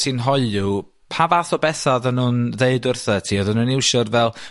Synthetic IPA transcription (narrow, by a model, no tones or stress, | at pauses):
tʰinɦɔɨlu | pʰavaθɔbɛθaðənuːnðeɨdʊrθətʰiːɔðənunɪwʃɔrvɛlˠ